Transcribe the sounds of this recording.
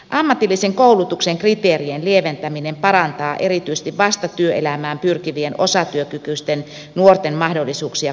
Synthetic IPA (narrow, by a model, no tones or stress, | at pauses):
ʔɑmːɑt̪ilːiseŋkoulut̪ukseŋkrit̪eːrienlieʋent̪æminempɑɾɑnt̪ɑːʔerit̪yise̥st̪iʋʋɑst̪ɑt̪yøʔelæmæːmpyrkiʋienosɑt̪yøkykyst̪en | nuort̪emmɑhdolːisuːksiɑ